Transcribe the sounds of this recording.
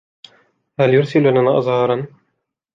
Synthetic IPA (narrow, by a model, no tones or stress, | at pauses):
haljʊɾsɪlnanaʔɑ̰zˤhɑɾˤɑn